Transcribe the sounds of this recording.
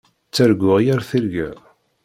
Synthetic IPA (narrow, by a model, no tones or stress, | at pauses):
t͡sːæɾɡʷʊʁjæɾθiɾɡæ